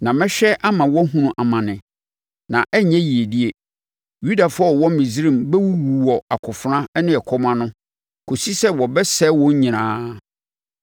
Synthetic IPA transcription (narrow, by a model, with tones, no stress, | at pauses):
nã˨mɪ̃˦ɕᶣɛ˦ʔa˦mã˨wɔ˦ɦũ˦nũ˨ʔa˨mã˨nɪ̃˨ | nã˨ʔɛ˦ɲɛ̃˦ji˨e˨di˦e˨ | ju˦da˨fʊ˦ɔ˦˨wɔ̃˦mĩ˨zɾĩ˦˨mbɛ˦wu˦wu˨wɔ˨a˨kʰʊ˨fʊ˨ɾã˦nɪ̃˦ɛ˨kʰɔ˦mã˦nʊ̃˦ | kʰo˨si˦sɛ˦wɔ˨bɛ˦sɛ˦wɔ̃˦ɲ˦ɲĩ˨nã̰ː˦